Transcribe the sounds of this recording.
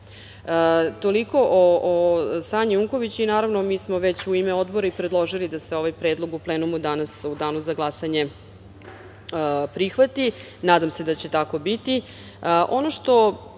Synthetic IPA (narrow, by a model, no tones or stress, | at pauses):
ət̪oliko̞ʔoosaːɲiuŋko̞ʋit͡ɕuinaːɾaʋnomiːsmo̞ʋet͡ɕuimeo̞d̪boɾaipɾed̪lˠo̞ʒilid̪ase̞o̞ʋajpɾeːd̪lˠo̞ɡupleːnumud̪anasud̪aːnuzaɡlˠasaɲe̞ | pɾixʋat̪i | naːd̪amsed̪at͡ɕe̞t̪ako̞bit̪i | əʔo̞noʂt̪o̞